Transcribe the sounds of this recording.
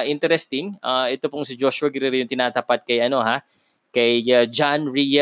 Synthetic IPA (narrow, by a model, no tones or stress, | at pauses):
ʔɪnt̪ɛɾɛst̪ɪŋaʔɛt̪opoŋsɪd͡ʒoʃʊɐɡɪɾɪɾjʊŋt̪ɪnaːt̪ɐpat̪̚kɐjʔɐno̞ɦa | kɐjɐd͡ʒanɹij